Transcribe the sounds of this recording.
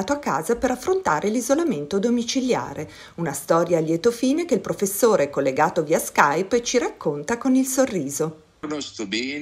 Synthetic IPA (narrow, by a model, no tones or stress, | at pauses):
t̪oakːa̰ːzapeɾafːɾont̪aːɾʔelizolament̪od̪omit͡ʃilja̰ːɾe | unast̪ɔːɾjaljɛt̪ofiːnek̟eilpɾofesːoːɾeɛkolːeɡaːt̪oviːaskajpet͡ʃiɾakːont̪akonilsorːiːzo | nost̪ɔbɛ